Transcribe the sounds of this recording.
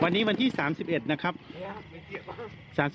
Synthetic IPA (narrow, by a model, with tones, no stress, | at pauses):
wa˧nːiː˦˥wa˧nt̪ʰiː˥˩saː˩˦msi˨˩p̚ʔe˨˩t̪̚na˦˥kʰɾa˦˥p̚ | saː˩˦ms